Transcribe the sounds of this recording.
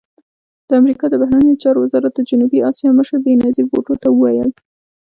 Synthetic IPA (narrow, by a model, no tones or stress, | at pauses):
d̪̥əamɾikɑd̪əbaɦɾanejot͡ʃɑɾowɪzɑɾat̪̚d̪əd͡ʒʊnubiɑsjɑməʃəɾbenɑziɡo̰ʈot̪awəwajəl